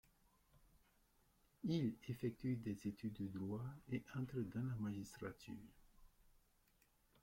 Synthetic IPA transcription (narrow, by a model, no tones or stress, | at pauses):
ilefɛk̚t̪yd̪ɛzet̪yd̪ːəd̪ʁwaeʔɑ̃t̪χəd̪ɑ̃lamaʒist̪χat̪ʰy̰ːʁ